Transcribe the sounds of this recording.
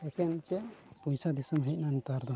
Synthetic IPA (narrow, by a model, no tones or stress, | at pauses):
ekʰent͡ʃepũjsad̪isəmɦəjt̪nanit̪aɾd̪ɔ